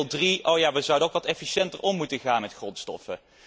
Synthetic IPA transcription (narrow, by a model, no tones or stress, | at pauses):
lˠdriʔowjaːʋəzʌwdənowkʋɑtɛfiʃɛntərʔɔmːutəχaːnmɛtχrɔnstɔ̰fə